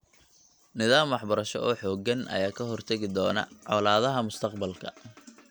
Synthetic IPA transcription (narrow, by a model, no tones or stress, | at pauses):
nɪðaːmwɑħbɐɾɐʃɔ̰ʔɔːħɔːɡɐnʔɐ̰jaːkʰɐɦɔrt̪ʰɐɣɪd̪ɔːnɐ̰ʕɔlaːðɐɦɐmʊst̪ʰɐqbɐlkʰɐ̰